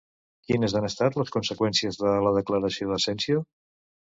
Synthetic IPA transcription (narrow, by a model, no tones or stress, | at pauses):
kinəzanəst̪at̪ləskunsəkwɛnsiəzðələðəkləɾəsioðəsɛnsio